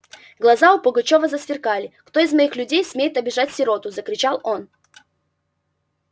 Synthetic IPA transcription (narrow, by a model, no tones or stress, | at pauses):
ɡlˠɐzaʊpʊɡɐt͡ɕo̞vəzəsvʲɪrkalʲɪkt̪o̞ɪzmɐixlʲʉdʲejsmʲejɪt̪ɐbʲɪʐatʲsʲɪɾo̞t̪ʊzəkɾʲɪt͡ɕalˠo̞n